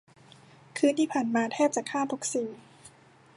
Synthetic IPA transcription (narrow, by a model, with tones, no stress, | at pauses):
kʰɯː˧˥˧nt̪ʰiː˥˩pʰaː˨˩nmaː˧t̪ʰɛː˥˩p̚t͡ɕaː˨˩kʰːaː˥˩t̪ʰu˨˦˥k̚siː˨˩˦